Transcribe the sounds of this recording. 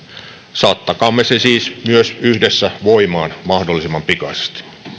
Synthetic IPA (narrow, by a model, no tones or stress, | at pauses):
sɑːt̪ːɑkɑːmːesesiːsmyøsyhdesːæʋoimɑːnmɑhdolːˑisimːɑmpikɑse̥st̪i̥